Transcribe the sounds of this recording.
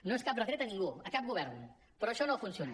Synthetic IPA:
noeskap̚rəkɾet̪əniŋɡuəkap̚ɡuβ̞ɛɾn | pɾɔːʃɔnofunsioni

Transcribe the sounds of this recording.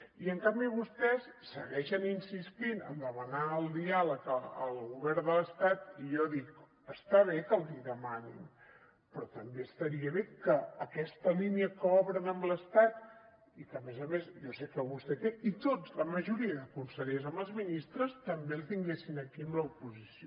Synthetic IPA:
iəŋkambiβust̪ɛsːəɣɛʃəninsist̪inə̰nd̪əmənaəlˠd̪ialəkəə̰lˠɣuβɛɾðələst̪at̪ijɔðik | əst̪aβekəlˠziðəmanḭn | pɾɔt̪əmbeəst̪əɾiəβekəːkɛst̪əliniəkəɔβɾənəmləst̪at̪ | ikəmɛzəmezʒɔsekəβust̪ɛkɛit̪od͡zləməʒuɾiəðəkunsəʎezəmbəlˠzminist̪ɾəst̪əmbelˠt̪iŋɡesinəkiəmləupuzisio

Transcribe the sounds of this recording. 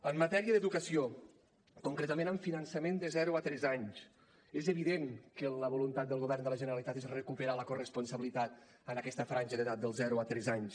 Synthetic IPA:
əmːət̪ɛɾiəðəðukəsio | kuŋkɾet̪əmẽnəɱfinənsəmend̪əzɛɾuət̪ɾɛzaɲs | ezəβiðeŋkələβulunt̪at̪̚d̪əlˠɣuβɛrnd̪ələʒənəɾəlit̪at̪ezrəkupəɾaləkurəspunsəβilit̪at̪̚ | ənəkɛst̪əfɾanʲʒəðəðat̪̚d̪əlˠzɛɾuət̪ɾɛzaɲs

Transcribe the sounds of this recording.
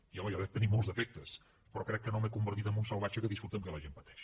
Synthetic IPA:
iɔməjɔβɛt̪ənimolˠzðəfɛk̚t̪əs | pɾɔkɾɛkːənomekumbərt̪it̪əmbunsəlˠβat͡ʃəkəðisfɾut̪əmkələʒempət̪ɛ̥ʃ

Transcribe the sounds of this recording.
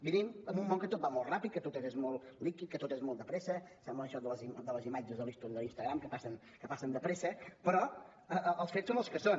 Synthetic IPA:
biniməmbumːoŋkət̪ot̪̚bamolˠt̪rapit̪̚kət̪ot̪ezezmolˠlikit̪̚kət̪ot̪ezmolˠd̪əpɾesəsɛmbləːʃɔðələzimd̪ələzimad͡ʒəzðəlist̪oniðəlinst̪əɣɾamkəpasən | kəpasənd̪əpɾesəpəɾɔ | əʔəlˠsfet͡ssonəlˠskəson

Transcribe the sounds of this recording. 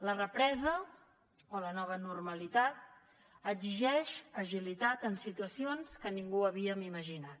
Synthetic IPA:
lərəpɾɛzə | olənɔβ̞ənurməlit̪at̪̚ | əɡziʒɛʃəʒilit̪at̪ənsit̪uəsionskəniŋɡuəβiəmiməʒinat̪

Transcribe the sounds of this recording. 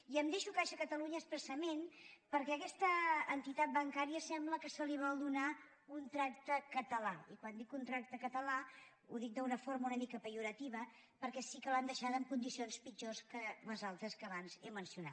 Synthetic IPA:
iəmd̪eʃukaʃəkət̪əluɲəːspɾəsəmenpəɾkɛəkɛst̪əːnt̪it̪at̪̚bəŋkaɾiəsɛmbləkəsəliβ̞ɔlˠd̪una | unt̪ɾak̚t̪əkət̪əlaikwand̪ikunt̪ɾak̚t̪əkət̪əla | ṵðik̚d̪əunəfoɾməunəmikəpəjuɾət̪iβə | pəɾkɛsikəland̪əʃat̪əmkund̪isionspid͡ʒoskələzalˠt̪ɾəskəːβanzɛmənsiuna̰t̪

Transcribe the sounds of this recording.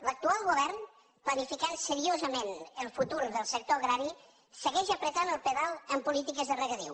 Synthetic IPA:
lək̚t̪ualˠɣuβɛɾn | plənifikansəɾiozəmenəlˠfut̪uɾðəlˠsək̚t̪oəɣɾaɾi | səɣɛʒəpɾət̪anəlˠpəðalˠəmpulit̪ikəzðərəɣəðḭw

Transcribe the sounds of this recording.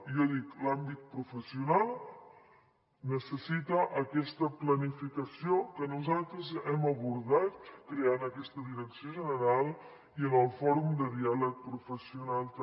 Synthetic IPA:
jɔðiklambit̪̚pɾufəsiunalˠ | nəsəsit̪əʔəkɛst̪əplənifikəsiokənuzalˠt̪ɾəzɛməβuɾðat̪̚kɾeanəkɛst̪əðiɾəksioʒənəɾalˠ | iənəlˠfɔɾumd̪əðialək̚pɾufəsiunalˠt̪

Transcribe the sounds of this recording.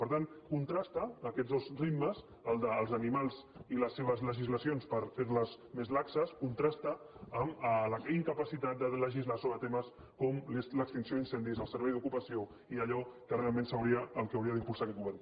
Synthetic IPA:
pəɾt̪ankunt̪ɾast̪əːkɛtd͡zðozrit̪məz | əlˠd̪əːlˠzənimalˠziləsːeβəzləʒizləsionspəɾfeɾləz | mezlaksəskunt̪ɾast̪əː | mləiŋkəpəsit̪at̪̚d̪ələʒizlasoβɾət̪eməs | kɔmlesləkst̪insjoðinsɛnd̪izəlˠsəɾβɛjðukupəsio | iəʎɔkərealˠmẽnsəwɾiəːlˠkəːwɾiəðimpulˠsakɛt̪̚ɡuβɛɾn

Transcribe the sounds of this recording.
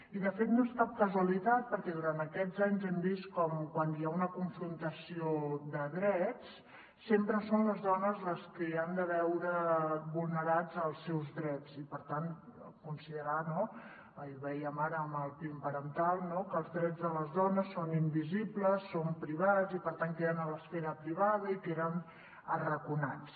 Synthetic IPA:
iðəfet̪noeskap̚kəzwəlit̪at̪̚pəɾkɛðuɾant̪əkɛd͡zaɲzɛmbiskɔmkwaniaunəkuɱfɾunt̪əsiod̪əðɾɛt͡s | sempɾəsonləzðɔnəzləskəand̪əβɛwɾəβulˠnəɾad͡zəlˠsɛwzðɾɛt͡sipəɾt̪ankunsiðəɾano | iβɛjəmaɾəːməlˠpimpəɾənt̪alˠnokəlˠzðɾɛd͡zðələzðɔnəsːonimbizipləsːompɾiβazipəɾt̪aŋkeðənələsfɛɾəpɾiβað̞əikeɾən | ərəkunat͡s

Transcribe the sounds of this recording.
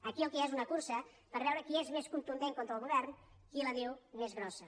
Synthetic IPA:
əkiəlˠkɛezunəkuɾsə | pəɾβɛwɾəkiezmeskunt̪und̪eŋkont̪ɾəlˠɣuβɛrnkiləðiwmezɣɾɔsə

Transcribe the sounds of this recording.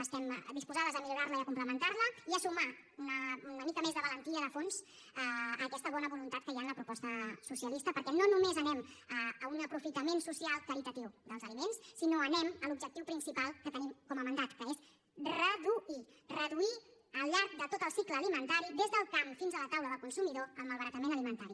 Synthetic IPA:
əst̪ɛmd̪ispuzað̞əzəmiʎuɾarləiəkumpləmənt̪aɾləiəsuma | unəməmikəmezðəβələnt̪iəðəfons | əːkɛst̪əβ̞ɔnəβulunt̪at̪kəjanləpɾupɔst̪əsusiəlist̪əpəɾkɛnonumezənɛməəunəpɾufit̪əmensusialˠk̪əɾit̪ət̪iwd̪əlˠzəlimensːinoənɛməlubʒək̚t̪iwpɾinsipalˠkət̪ənimkɔməmənd̪at̪kəes | rəðui | rəðui | əlˠʎaɾk̚d̪ət̪ot̪əlˠsikləːlimənt̪aɾiðezðəlˠkamfinzələt̪awləðəlˠkunsumiðoəlˠməlˠβəɾət̪əmenəlimənt̪aɾi

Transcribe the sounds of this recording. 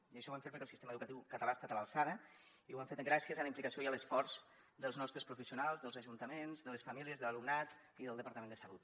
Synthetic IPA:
iəʃɔwamfeɾpəɾkɛlˠsist̪eməðukət̪iwkət̪alaest̪at̪əβalˠsaðə | iwaɱfet̪ɡɾasiəzələimplikəsioiələsfɔɾz̥ | ðəlˠznɔst̪ɾəspɾufəsiunalˠzðəlˠzəʒunt̪əmenzðələsfamiliəzðəlalumnat̪ | iðəlˠd̪əpaɾt̪əmend̪əsəlut̪

